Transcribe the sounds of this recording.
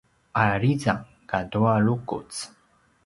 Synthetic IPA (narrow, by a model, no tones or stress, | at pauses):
aɾiza | kadualukṵt͡s